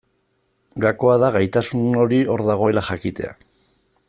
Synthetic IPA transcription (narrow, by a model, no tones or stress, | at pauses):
ɡako̞að̞aɣajt̪asuno̞ɾio̞ɾðaɣ̞o̞e̞laxakit̪e̞̰a̰